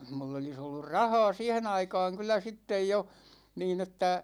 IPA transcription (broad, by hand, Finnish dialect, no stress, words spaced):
mulː olis olːur rɑhɑ̝ː siːhen ɑikɑːŋ kylˑæ sitːej jo niːn etːæ